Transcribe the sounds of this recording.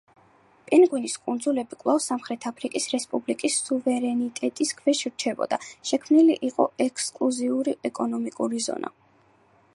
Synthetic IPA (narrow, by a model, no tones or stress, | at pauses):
pʼɛnɡwiniskʼund̪zulɛbikʼwlˠafsamχɾɛt̪ʰapʰɾikʼisɾɛspʼublikʼisːuvɛɾɛnit̪ʼɛt̪ʼiskʰvɛʃiɾt͡ʃʰɛbɔ̰d̪aʃɛkʰmniliʔiqʼɔɛkʰskʼluziuɾiɛkʼɔnɔmikʼuɾizɔ̰nʔa̰